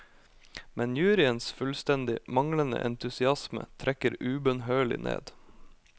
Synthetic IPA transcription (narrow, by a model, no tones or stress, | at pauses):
mɛnjʉːɾɪənsfʉlst̪ɛnd̪ɪmɑŋlənə̰ʔɛnt̪ʰʉsɪɑsmə̰t̪ʰɾʔɛkəɾʉːbənɦøːɭɪ̰nʔḛːd̪